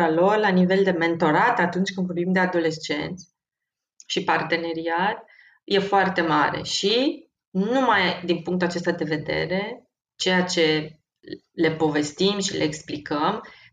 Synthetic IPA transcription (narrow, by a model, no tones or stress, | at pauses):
alo̞rlanive̞ld̪e̞me̞nt̪o̞ɾat̪at̪unt͡ʃʲkɨnd̪vo̞rbimd̪e̞ad̪o̞le̞st͡ʃe̞̰nt̪sʲ | ʃipart̪e̞ne̞ɾiat̪̚ | je̞foart̪e̞ma̰ɾe̞̰ʃi | numajd̪inpuŋkt̪uat͡ʃe̞st̪ad̪e̞ve̞d̪e̞̰ɾe̞ | t͡ʃe̞jat͡ʃe̞ | le̞po̞ve̞st̪imʃilḛeksplikəm